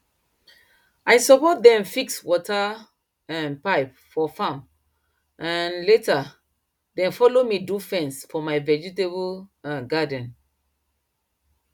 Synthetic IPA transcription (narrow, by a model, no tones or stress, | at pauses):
ajsɔpɔt̚dɛ̃mfikswɔta | ãnpaɪp̚ | fɔfãm | ãnleta | dɛ̃nfɔlomidufɛ̃nsfɔmaɪvɛd͡ʒitebuɡadə̃n̩